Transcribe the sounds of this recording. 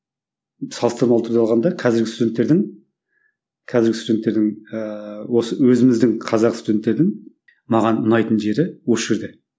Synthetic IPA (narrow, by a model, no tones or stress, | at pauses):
sɑlˠəst̪əɾmɑlˠət̪ʰəɾd̪ɑlˠʁɑnd̪ɑqʰɑzɪɾɡʲɪst̪ud̪ʲe̞nt̪ːe̞ɾd̪ɪŋ | qʰɑzɪɾɡʲɪsud̪ʲe̞nt̪ːe̞ɾd̪ɪŋ | wo̞səwɵzɪmɪzd̪ɪŋqʰɑzɑqst̪ud̪ʲe̞nt̪ːe̞ɾd̪ɪŋ | mɑʁɑnʊnɑjt̪ənʒe̞ɾɪwosʒeɾd̪ɪ